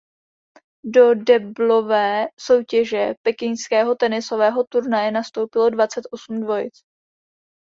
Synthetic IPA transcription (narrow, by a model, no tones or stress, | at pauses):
do̞dɛblo̞vɛːso̞wcɛʒɛpɛkɪɲskɛːɦo̞t̪ɛnɪso̞vɛːɦo̞t̪uɾnajɛnast̪o̞wpɪlo̞dvat͡sɛt̪ʔo̞sumdvo̞jɪ̰t͡s